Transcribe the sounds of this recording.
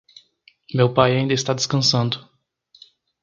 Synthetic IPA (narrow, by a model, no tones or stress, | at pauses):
mewpajaĩd̪ɐɪst̪ad̪ɪskɐ̃sɐ̃nd̪ʊ